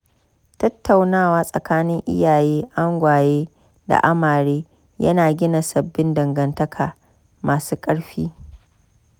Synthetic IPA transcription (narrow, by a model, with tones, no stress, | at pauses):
tɐ˦tːa˨wnaː˦˨waː˦sʼɐ˨kaː˦nɪ˦ŋʔɪ̰˦jaː˨jeː˦ʔa˦ŋɡʷaː˨jeː˦ | da̰˨ʔa˦maː˨ɽeː˦ | jɐ̰˦naː˨ɡʲɪ˦na˨sɐ˨bːɪ˦ndɐ˨ŋɡɐ˨ntɐ˦kʰaː˨ | mʔaː˨suː˦kʼɐ˦ɽɸiː˦